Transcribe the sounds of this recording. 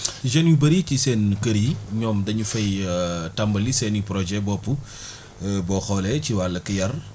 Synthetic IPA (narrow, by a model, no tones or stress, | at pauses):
ʒɐnjubɐɾicisɛnkɐɾiɲɔːmdɐɲufɐjtɐmbɐlisɛnipɾɔd͡ʒɛbɔpːu | bɔxɔlɛciwalɐkijɐr